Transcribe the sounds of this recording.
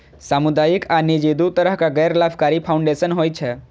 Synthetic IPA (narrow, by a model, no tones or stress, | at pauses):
samud̪ajikʰanid͡ʒed̪ut̪əɾəɦkaɡɛjɾlabkaɾipʰaw̃ɳɖesənɦoːjt͡ʃʰe